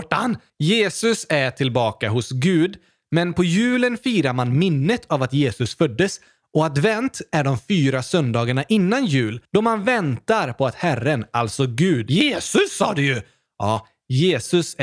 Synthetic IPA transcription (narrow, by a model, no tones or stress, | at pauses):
ʈːan | jeːsɵsæʈʰɪlbɑːkaɦʊsɡʉ̟ːd̪ | mɛnpʰɔjʉ̟ːlənfiːɾaɾmanmɪnːət̪ʰavat̪jeːsɵsfœd̪ːəs | ɔad̪vɛnt̪æɖɔmfyːɾasœnd̪ɑːɡaɳaʔɪnːanjʉ̟ːld̪̥ɔmanvɛnt̪aɾpʰɔat̪hærːənalt̪sɔɡʉ̟ːd̪jeːsɵsːɑːd̪ɛjɵ | ɑː | jeːsɵs